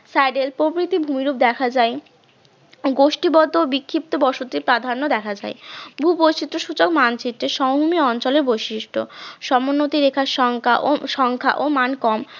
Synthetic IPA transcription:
sajɖelpɾobɾit̪ibʱumiɾup̚d̪ɛkʰad͡ʑae | ɡoʃʈibɔt̪obikʰːip̚t̪obɔʃot̪ipɾad̪ʱanːod̪ɛkʰad͡ʑa̰ebʱubojt͡ɕit̪ːɾoʃut͡ɕokmant͡ɕit̪ːeʃɔmɦumiɔnt͡ɕoleɾbojʃiʃʈʰoʃɔmonːot̪iɾekʰaʃɔŋkʰaʔoʃɔŋkʰa̰ʔomankɔm

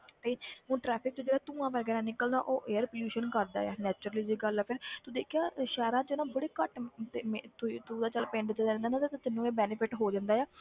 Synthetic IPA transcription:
t̪eːũːʈɾɛːpʰɪk̚t͡ʃoːd͡ʒeːɽaːt̪ũːãːʋəːɾɡɛːnaːnɪkːəld̪a̰ːʔoːʔeːəɾpəljuːʃənkəɾd̪a̰ːjɛ̰ːnɛːt͡ʃʊɾəliːd͡ʒiːɡəlɛːpʰɪɾt̪uːd̪eːkʰjaːʃɛːɾãːd͡ʒonãːbəɽeːkəʈt̪eːmt̪ʊt̪uːd̪aːt͡ʃəlpɪ̃ɳɖd͡ʒ̪d͡ʒãːnd̪aːnãt̪ːt̪ːt̪ɪnːũːeːbɛːnɪpʰɪʈɦoːd͡ʒãːnd̪aːjɛː

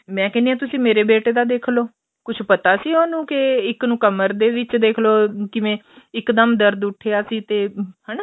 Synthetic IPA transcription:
mɛ̃ːkɛːniːɛːt̪ʊsĩːmeːɾeːbeːʈeːd̪aːd̪eːkʰloː | kʊt͡ʃʰpət̪aːsiːoːnũːkɪɪknũːkəməɾd̪eːʋɪt͡ʃd̪eːkʰloːkɪʋẽː | ɪkd̪əmd̪əɾd̪ʊʈʰːejaːsiːt̪eːhɛːnː

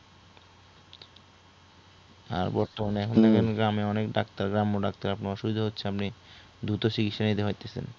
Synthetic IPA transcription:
a̰ɾbɔɾt̪omaneɛkʰond̪ɛkʰenɡɾameɔnekɖakt̪aɾɡɾamoɖak̚t̪aɾapnoɔʃubid̪ʱoɦot̪ːɕʰeapni | d̪ɾut̪oʃikit̪ʃanit̪eɦojt̪esʰḛn

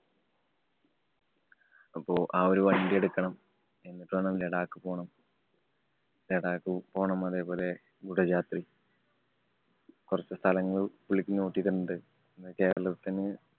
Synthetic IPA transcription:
ɐpːo̞ːʔaːoɾuʋɐjɖie̞ɽukːɐɳɐm | e̞nːiʈːuaːɳɐmleɽaːkːɨpo̞ːɳɐm | leɽaːkːɨpo̞ːɳɐmɐðe̞ːpo̞ːle̞ | ɡuɽɐd͡ʑaːt̪ri | kurɐt͡ɕːɨst̪ʰɐlɐŋːɐɭpuɭːikʲːinoːʈːiɾunːɐðɨ | nːɨke̞ːɾɐɭɐt̪ːinɨ

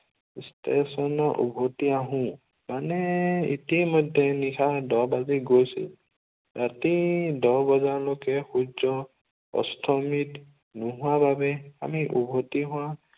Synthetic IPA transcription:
stʰesɔnɔʔṵbʱotiaɦʊ̃ | manɛḭtimɔjdʱːɛnixʰadɔbaziɡojsḭl | ɹatidɔbɔzaɹlokɛxud͡ʒɔ | ɔ̰stʰɔmit | nʊɦʊababɛa̰miʔubʱotiɦʊwã

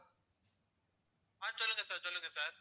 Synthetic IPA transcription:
aːsɔlːɯŋɡɐsaːɾsɔlːɯŋɡɐsaːɾ

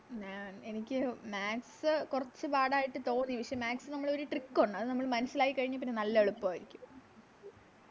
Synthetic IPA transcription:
ɲaːne̞nikʲːɨmaːksɨkurɐt͡ɕːɨbaːɽaːjiʈːɨt̪o̞ːnːiʋiʂɐjɐmaːksɨnɐmːɐɭo̞ɾuʈrikːoɳːɖɨɐðɨnɐmːɐɭmɐnusilaːjikːɐɻiɲːɨp̬ːinːenɐlːɐeɭupːaːjiɾikʲːum

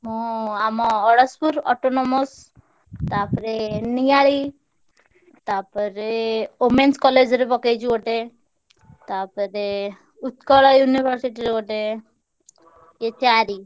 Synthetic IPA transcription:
ɦɔ̃amɔɔɽɔspuɾɔ̰ʈɔnɔmɔs | t̪apɔɾenijaɭi | t̪apɔɾeomenskɔled͡ʒɾebɔked͡ʒɔʈe | t̪apɔɾe | ut̪kɔɭajunibʱɔɾsiʈiɾekɔʈe | et͡ʃaɾi

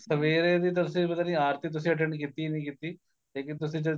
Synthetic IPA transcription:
səʋeːɾeːd̪iːt̪ʊsĩːpət̪aːnĩːaːɾt̪iːt̪̬ʊs̬ĩːəʈ̬ɛ̃ɳɖkiːt̪iːnĩːkiːt̪iː | leːkɪnt̪ʊsĩːd͡ʒə

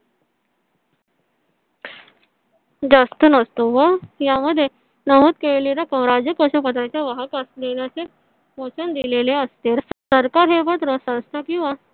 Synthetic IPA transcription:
d͡zast̪ənəst̪oʋəjaməd̪ʱːje | nəɦut̪keleɾakə̃w̃ɾad͡ʑjəkəɕəpət̪ɾat͡ɕjaʋəɦəkəslenjat͡se | pot͡ɕənd̪ileleəst̪eɾsəɾkaɾɦeʋət̪ɾəsə̃w̃st̪ʰakĩw̃ʋa

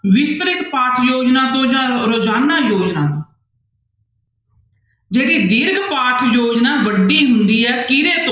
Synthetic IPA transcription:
ʋɪst̪ɾɪt̪paːʈʰjoːd͡ʒnãːt̪õːd͡ʒãːɾoːd͡ʒaːnːaːjoːd͡ʒnãːt̪õː | d͡ʒeːɽiːd̪ɪɾɡpaːʈʰjoːd͡ʒnaːʋəɖːiːɦʊnd̪iːɛːkɪnẽːt̪õː

